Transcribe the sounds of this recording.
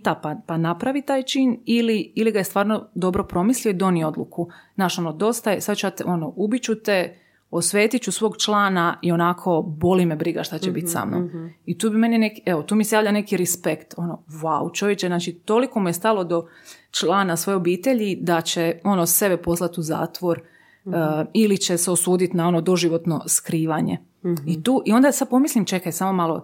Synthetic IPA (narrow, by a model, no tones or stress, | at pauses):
t̪apapanapɾaʋit̪aːjt͡ʃiːniliiliɡajest̪ʋaːɾno̞d̪o̞bɾo̞pɾo̞mislijo̞id̪o̞nijo̞d̪lṵkunaːʃonod̪o̞st̪ajesad̪t͡ʃat̪ʔo̞noubit͡ɕut̪e | osʋeːt̪it͡ɕusʋo̞ːɡt͡ʃlˠaːnaio̞nakʰo̞bo̞limebɾiɡaʃt̪at͡ɕebit̪ʲsa̰mno̰mit̪uːbime̞ninekieʋot̪uːmisejaːʋʎane̞kiɾɛspekt̪o̞no̞ʋaut͡ʃojet͡ʃeznaːt͡ʃit̪o̞liko̞mujest̪alˠo̞d̪o̞ | t͡ʃlˠaːnasʋo̞jeo̞biːt̪e̞ʎid̪at͡ɕeo̞nose̞bepo̞slˠat̪uza̰ːt̪ʋo̞ɾ | ilit͡ɕeseo̞suːd̪it̪nao̞nod̪o̞ʒiʋo̞t̪no̞skɾiːʋaɲḛ | it̪uːʔio̞nd̪asad̪̚po̞mislimt͡ʃe̞kajsamo̞malo̰